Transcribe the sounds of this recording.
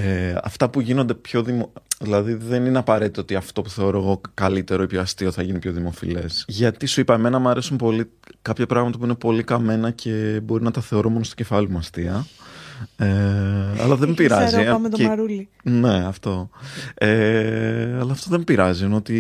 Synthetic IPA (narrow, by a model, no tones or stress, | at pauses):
eɐ̰ft̪ɐpuʝino̞nd̪epço̞ðimoðilɐðiðe̞nineɐpɐɾe̞t̪it̪oo̞t̪iɐft̪o̞puθe̞oɾoeɣo̞kɐlit̪e̞ɾo̞ipçoɐst̪io̞θɐʝinipço̞ðimo̞fḭle̞sʝɐt̪isuipɐeme̞nɐmuɐɾe̞sumpo̞li | kɐpçɐpɾɐɣmɐt̪ɐpuine̞po̞likɐme̞nɐcʰe̞bo̞ɾinɐt̪ɐθe̞o̞ɾomonost̪oce̞fɐlimuɐst̪iɐ | eɐ̰lɐðembiɾɐzimet̪oɐɾuli | ne̞ɐft̪o̞e | ɐlɐːft̪oðembiɾɐziino̞t̪i